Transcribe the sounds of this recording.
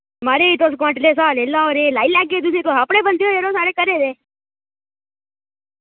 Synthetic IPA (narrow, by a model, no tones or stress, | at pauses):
maːɾeit̪oːs̬kãʈleːs̬aːlelaːoɾeːlaːilaːɡeːd̪useːt̪oːaːpɳẽːbənd̪ijoːeɾõːsaːɾeːkəɾeːd̪eː